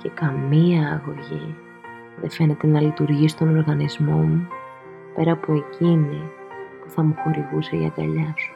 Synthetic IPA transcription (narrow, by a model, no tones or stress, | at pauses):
ce̞kɐmiɐːɣo̞ʝi | ðe̞̰fe̞ne̞t̪e̞nɐlit̪uɾʝisi̥t̪o̞no̞ɾɣɐnizmo̞mu | pe̞ɾɐːpoe̞cini | puθɐmuxo̞ɾiɣuseʝɐ̰d̪ɐ̰ʎɐsu̥